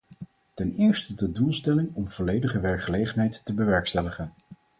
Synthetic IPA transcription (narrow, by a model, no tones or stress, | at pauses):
tɛnɪːɹstədədulˠstɛlɪŋɔmv̥ɔlejdəχəʋɛɹkχəlejχənɦɛjtːəbəʋɛɹkstɛləχən